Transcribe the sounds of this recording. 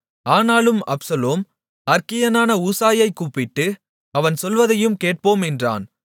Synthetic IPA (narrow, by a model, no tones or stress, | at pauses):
aːnaːlɯmɐ̰psɐloːm | ɐɾkɪjɐnaːnɐuːsaːjɐɪkːuːpːɪʈːɯ | ɐʋɐnsɔlʋɐðɐjɯmkeːʈ̚poːmɛndra̰ːn